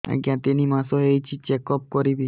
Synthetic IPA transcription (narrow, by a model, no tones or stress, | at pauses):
a̰ɡiãt̪enimasoɦejt͡ʃʰit͡ɕekɔp̚koɾibi